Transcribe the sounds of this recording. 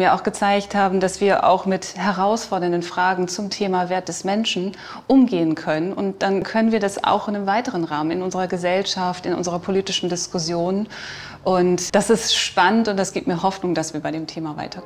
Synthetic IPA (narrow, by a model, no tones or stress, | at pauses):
miːɐʔa̰ʊxɡ̥ət͡saɪçthaːbm̩dasv̥iːɐʔa̰ʊxmɪthɛʁaʊsfɔɐdɐndənfʁ̥aːɡŋ̩t͡sʊmtʰeːmaveːɐt̚d̥ɛsmɛnʃn̩ | ʔʊmɡeːənkʰœnənʊnt̚d̥ankʰœnənviːɐdasa̰ʊxɪnɪmvaɪtəʁənʁaːmənɪnʊnzəʁɐɡəzɛlʃaftɪnʔʊ̰nzəʁɐpʰoliːtɪʃn̩dɪskʊsjoːn | ʔʊntd̥asɪstʃpanəntʊntd̥asɡ̥iːp̚tmiːɐɦɔfnʊŋd̥asv̥iːɐbaɪɾeːmtʰeːmava̰ɪtʰɐ